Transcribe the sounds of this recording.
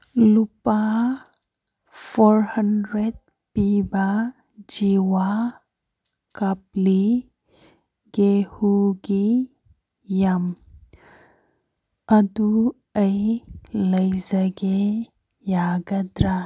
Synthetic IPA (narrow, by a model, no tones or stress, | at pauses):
lupa | fɔɾhəndɾed̚ | piba | d͡ʒiwa | kapli | ɡehuɡi | jam | ad̪u | əjləjzəɡe | jaɡəd̪ɾa